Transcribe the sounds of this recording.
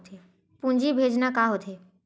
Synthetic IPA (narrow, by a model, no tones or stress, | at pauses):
t̪ʰe | pũnd͡ʒibʱeːd͡ʒnakaːɦot̪ʰe